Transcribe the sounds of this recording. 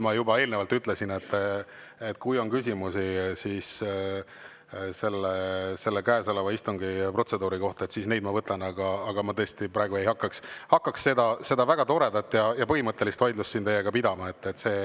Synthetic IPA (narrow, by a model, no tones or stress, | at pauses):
mɑjubɑe̞ːlnevɑlt̪yt̪ˑle̞sine̞t̪ː | et̪ːkujo̞nkys̬ʲimusisiːs | se̞lːese̞lːekæːsolevɑist̪uŋɡ̥ipro̞t̪se̞d̪uːɾiko̞ht̪ɑet̪sisne̞jd̪̥mɑvɤt̪ˑlɑnɑɡ̥ɑːɡ̥ɑmɑt̪ɤest̪ipɾɑːeɡue̞jhɑkːɑkshɑkːɑksse̞d̪ɑse̞d̪ɑvæɡ̥ɑt̪o̞ɾe̞d̪ɑt̪ːˑjɑjɑpɤhimɤt̪ːˑe̞list̪vɑjd̪lustːint̪e̞jːeɡ̥ɑpid̪ɑmɑe̞t̪ːet̪se̞ː